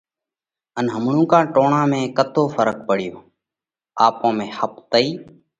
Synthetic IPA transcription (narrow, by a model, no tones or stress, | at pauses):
ənɦəmɳũːkãːʈoːɳãːmẽːkət̪ʰoːfəɾək̚pəɽ̤ɪjoː | aːpõːmẽːhəpt̪əiː